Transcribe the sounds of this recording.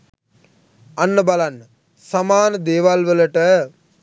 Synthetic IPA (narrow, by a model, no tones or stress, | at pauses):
ɐnːəbɐlanː | sɐmaːnəd̪eːʋalʋələʈə